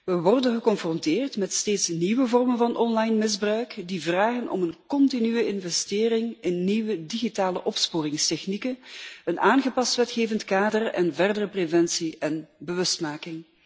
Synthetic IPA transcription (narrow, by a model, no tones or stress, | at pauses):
ʋəʋɔrdənɣəkɔnfrɔntɪːrtmɛtsteːtsniʋəvɔrmənvɑnʔɔnlɑjnmɪzbrœɥkdivraːɣənʔɔ̰mənkɔntinyəɪnvɛstɪːrɪŋɪnːiʋədiɣitaːləʔɔpspoːrɪŋstɛxnikənənʔaːnɣəpɑstʋɛtxeːvəntkaːdərɛnvɛrdərəprevɛnsiʔɛnbəʋɵstmaːkɪŋ